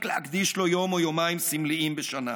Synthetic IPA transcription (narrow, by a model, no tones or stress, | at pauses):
kleakd̪iʃlo̞jo̞mojomaimsimliimbeʃana̰